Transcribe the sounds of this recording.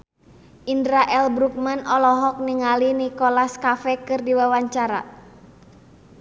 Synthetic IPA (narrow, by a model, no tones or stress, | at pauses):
ʔindɾaʔɛlbɾuk̚manɔlɔɦɔk̚niŋalinikɔlaskafɛkɨrdiwawaɲt͡ʃaɾa̰